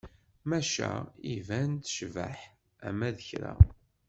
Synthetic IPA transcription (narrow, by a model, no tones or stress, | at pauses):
mæʃæivænt̪ʃvæħ | æ̰mæðəçɾæ̰